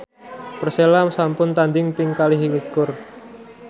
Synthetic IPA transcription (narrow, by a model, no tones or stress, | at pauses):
pərselamsampʊnt̪and̪ɪŋpɪŋkaliɦilikʊr